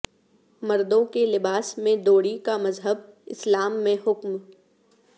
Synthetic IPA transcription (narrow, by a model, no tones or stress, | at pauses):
mɐɾd̪õkelɪbaːsmẽd̪oːɽikamɐzɦəb̚ɪ̰slaːmːẽɦʊkm